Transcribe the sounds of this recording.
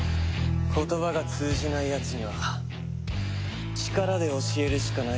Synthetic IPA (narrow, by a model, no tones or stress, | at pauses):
kʰo̞t̪o̞βaɡat͡sɨːʑinaijat͡sɨɲ̟iβa | t͡ɕi̥kaɾad̪e̞o̞ɕie̞ɾɯ̟ɕi̥kana